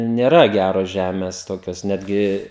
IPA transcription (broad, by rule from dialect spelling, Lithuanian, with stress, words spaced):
nʲeːˈrɐ ˈɡʲæroːs ˈʒʲæːmʲeːs ˈtoːkʲoːs ˈnʲæːdʲɡʲɪ